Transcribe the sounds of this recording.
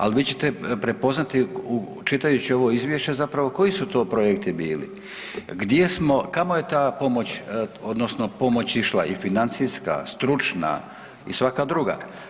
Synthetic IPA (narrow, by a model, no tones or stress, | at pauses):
a̰lʋiːt͡ɕe̞̥t̪epɾepo̞znat̪iu | t͡ʃit̪ajut͡ɕio̞ʋo̞izʋje̞ʃt͡ɕezapɾaʋo̞ko̞isut̪o̞ːpɾojek̚t̪ibiːlḭ | ɡd̪je̞smo̞kamoje̞t̪aːpo̞mo̞t͡ɕo̞d̪nosno̞po̞mo̞t͡ɕiʃlˠa̰ʔifinant̪siska̰st̪ɾut͡ʃna̰ | ḭsʋakad̪ɾuɡa̰